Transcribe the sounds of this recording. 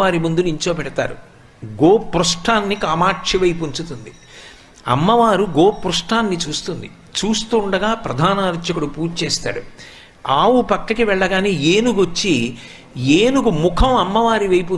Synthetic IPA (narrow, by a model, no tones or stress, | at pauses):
aːɾimund̪uniɲt͡ʃo̞ːpɛɽɐt̪a̰ːɾu | ɡoːpɾuʂʈaːnːikaːmaːʈt͡ʃiʋɐjpuɲt͡ʃut̪und̪i | ɐ̰mːɐʋaːɾuɡoːpɾuʂʈaːnːit͡ʃuːst̪und̪i | t͡ʃuːst̪uːɳɖɐɡaːpɾɐd̪ʱaːnaːɾɐʃɐkuɽupuːɾt͡ʃeːst̪a̰ːɽu | aːwupɐkːɐkiʋɛɭːɐɡaːniːeːnuɡot͡ʃːi | eːnukumukʰɐmɐmːɐʋaːɾiʋɐjp̬u